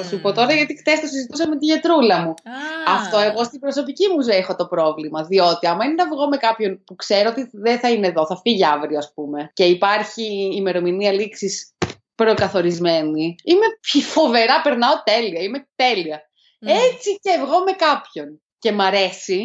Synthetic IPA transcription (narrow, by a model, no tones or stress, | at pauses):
ɐsipo̞t̪o̞ɾɐʝɐt̪ixt̪est̪osizit̪us̬ɐme̞t̪iʝet̪ɾulɐmuɐft̪o̞e̞ɣo̞st̪ibɾo̞so̞picimuzexo̞t̪o̞pɾo̞vlimɐðio̞t̪iɐmɐinenɐvɣo̞me̞kɐpço̞npukse̞ɾoot̪iðeθɐineðo̞θɐfiʝɐvɾioɐspume̞ce̞ipɐɾçiːme̞ɾo̞miniɐliksis | pɾo̞kɐθo̞ɾizme̞niime̞pfo̞ve̞ɾɐpeɾnɐo̞t̪e̞liɐime̞t̪e̞liɐ | et͡sicevɣo̞me̞kɐpço̞n | ce̞mɐɾe̞si